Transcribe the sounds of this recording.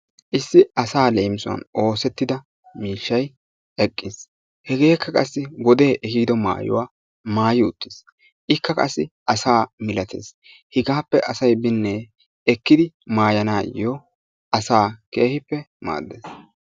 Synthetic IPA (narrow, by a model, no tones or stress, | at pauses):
ʔɪsːɪɐsaːlejmsʊɐ̰no̞ːsɛt̪ːɪd̪ɐ | miːʃːɐj | ɛkʼːɪs | hɛɡe̞ːkʰːɐkʼɐsːɪɡɔd̪eːʔɛhiːd̪ɔma̰ːjʊ̰waː | maːjɪʊt̪ːɪs | ʔɪkːɐkʼɐsːɪʔɐsaːmɪlɐt̪ḛːs | hɪɡaːpːɛʔɐsɐjbɪnːe | ɛkːɪd̪ɪmaːjɐnaːjɔ | ɐsaːke̞ːhɪpːɛma̰ːd̪ːḛːs